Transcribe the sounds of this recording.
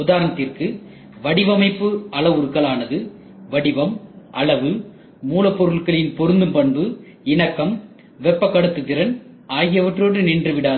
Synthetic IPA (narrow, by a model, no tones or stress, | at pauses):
ʊðaːɾnɐt̪ːɪrkɯ | ʋɐɽɪʋɐmɐɪpːɯɐɭɐʋɯɾkːɐɭaːnɐðɯ | ʋɐɽɪʋɐmʔɐɭɐʋɯ | muːlɐpːɔɾɯɭkɐɭɪnpɔɾɯnd̪ɯmpɐɳbɯ | ɪɳɐkːɐm | ʋɛpːɐkːɐɽɐt̪ːɯt̪ːɪɾɐn | ʔaːɣɪjɐʋɐʈːroːɽɯnɪndrɯʋɪɽaː